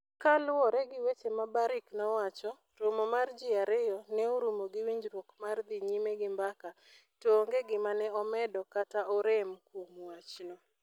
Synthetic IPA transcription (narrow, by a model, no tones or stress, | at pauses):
kalwɔɾɛɡɪwet͡ʃemabaɾɪknɔwat͡ʃɔ | ɾomomard͡ʒɪaɾɪjɔnɛoɾumoɡɪwiɲd͡ʒɾwokmard̪iɲimeɡɪmbaka | toŋɡeɡɪmanɛɔmɛdɔkataɔɾemkomwat͡ʃnɔ